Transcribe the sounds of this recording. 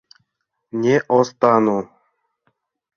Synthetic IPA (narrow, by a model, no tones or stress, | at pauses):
nʲeʔost̪ɑnu